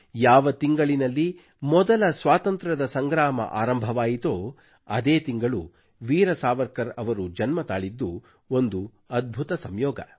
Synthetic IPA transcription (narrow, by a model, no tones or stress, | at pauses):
jaːʋɐt̪iŋɡɐɭinɐlːi | mɔd̪ɐlɐsʋaːt̪ɐnt̪ɾɐd̪ɐsɐŋɡɾaːmɐ̰ʔa̰ːɾɐmbʱɐʋaːjit̪oː | ɐd̪eːt̪iŋɡɐɭu | ʋiːɾɐsaːʋɐɾkɐɾɐʋɐɾud͡ʒɐnmɐt̪aːɭid̪ːu | ond̪u | ɐd̪̚bʱut̪ɐsɐmjɔːɡɐ̰